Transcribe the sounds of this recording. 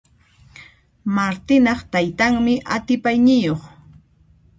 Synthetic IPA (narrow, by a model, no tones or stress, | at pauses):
maɾt̪ɪnɑχt̪ajt̪aŋmɪʔat̪ɪpajnɪjoχ